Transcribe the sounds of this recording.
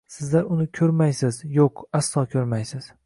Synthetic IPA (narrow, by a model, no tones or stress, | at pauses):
sɪzlaɾʊnɪkʲʰɵɾmajsɪzjoqasːɒkʲʰɵɾmajsɪz̥